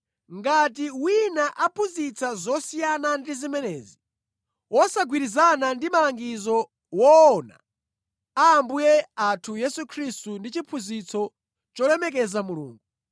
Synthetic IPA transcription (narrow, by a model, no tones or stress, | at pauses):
ŋɡat̬iwinaʔapʰuzit͡sʰazɔsijanandizimɛnɛːzi | wɔsaɡwiɾizanandimalaŋɡizɔ | wɔːna̰ | aːmbujɛatʰujɛsukʰɾistundit͡ʃipʰuzit͡sʰɔ | t͡ʃɔlɛmɛk̬ɛzamulṵːŋɡu